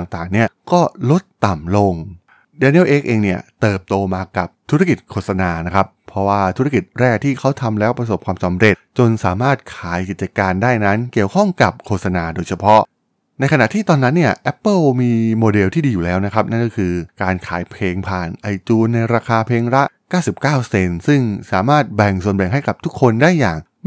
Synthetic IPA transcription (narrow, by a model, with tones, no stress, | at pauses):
a˨˩ŋt̪aː˨˩ŋni˥˩ɐkɔː˥˩lo˦˥t̪ːa˨˩mlo˧ŋ | dɛː˧˥ni˦˥˩wʔeː˦˥k̚ʔeː˧ŋni˥˩ɐt̪ɤː˨˩p̚t̪oː˧maː˧ka˨˩p̚t̪ʰu˦˥ɾa˥˧˩ki˨˩t̪̚kʰoː˥˩t̪̚sa˧naː˧na˦˥kʰa˦˥pʰːɾɔ˦˥waː˥˩t̪ʰu˦˥ɾa˥˧ki˨˩t̪̚ɾɛː˥˩k̚t̪ʰiː˥˩kʰa˦˥wt̪ʰa˧mlɛː˦˥wpɾa˧s̬o˨˩p̚kʰwaː˧msa˩˦mɾe˨˩t̪t͡ɕo˧nsaː˩˦maː˥˩t̪̚kʰaː˩˦jki˨˩t͡ɕa˧kaː˧ndaː˥˩jna˦˥nki˨˩əwkʰɔ˥˩ŋka˨˩p̚kʰoː˧˩t̪sa˧naː˧doː˧jt͡ɕʰa˧pʰɔ˦˥ʔ | na˧jkʰa˧na̰˨˩ʔt̪ʰiː˥˩t̪ɔː˧nːa˦˥nːi˥˩ɐʔɛ˦˥pːɤ˥˩wmiː˧moː˧de˧lt̪ʰiː˥˩diː˧juː˨˩lɛː˦˥wna˦˥kʰa˦˥p̚na˥˩nkɔ˥˩kʰɯː˧kaː˧nkʰaː˩˦jpʰleː˧ŋpʰaː˨˩nʔa˧jt͡ɕuː˧na˧jɾaː˧kʰaː˧pʰeː˧ŋɾa˦˥ʔkaː˥˩wsi˨˩p̚kaː˥˩wse˧nsɯ˥˩ŋsaː˩˦maː˥˩t̪̚bɛ˨˩ŋsu˨˩ənbɛ˨˩ŋɦa˥˩jka˨˩p̚t̪ʰu˦˥kʰːo˧ndaː˥˩jːa̰ː˨˩ŋ